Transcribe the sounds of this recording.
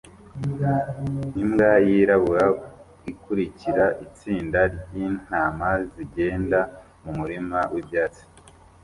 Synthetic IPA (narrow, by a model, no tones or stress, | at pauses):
nimɡajiɾaβuɾa | ikuɾiciɾaʔit͡siːndaɾjiːn̥aːmaziɟe̞ːnda | mumuɾimawʔibjaːt͡si̥